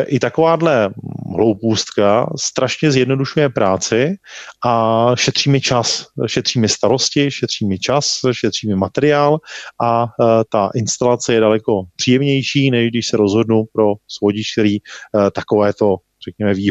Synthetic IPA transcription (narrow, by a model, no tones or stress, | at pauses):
ʔɪt̪akovaːdlɛɦlo̞wpuːst̪kast̪ɾʔaʃɲɛzjɛdno̞duʃujɛpɾaːt͡sɪʔaʃɛt̪r̥iːmɪt͡ʃasʃɛt̪r̥iːmɪst̪aɾo̞scɪʃɛt̪r̥iːmɪt͡ʃasʃɛt̪r̝̥iːmɪmat̪ɛɾɪaːlʔat̪aʔɪnst̪alat͡sɛjɛdalɛko̞pr̥iːjɛmɲɛjʃiːnɛʒɡdɪʃsɛɾo̞zɦo̞dnupɾo̞svoɟɪʃk̚t̪ɛɾiːt̪ako̞vɛːt̪o̞ | r̝̥ɛkɲɛmɛviːɦ